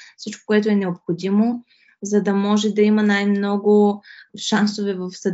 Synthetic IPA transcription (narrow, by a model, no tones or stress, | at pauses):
sit͡ʃko̥kʊɛt̪ʊɛnɛopxod̪imo | zɐd̪ɐmɔʒɛd̪ɐimɐnajmnɔɡʊʃansovɛvɐfsɐd̪